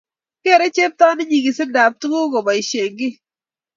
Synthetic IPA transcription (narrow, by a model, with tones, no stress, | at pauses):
ke˦˨ɾe˦t͡ʃe˦p̚tɔ˦nɪ˦ɲi˨ɡi˨sɪ˦da˨p̚tu˦ɡo˦ɡɔ˨ba˨i˨ʃe˨ŋɡɪ˦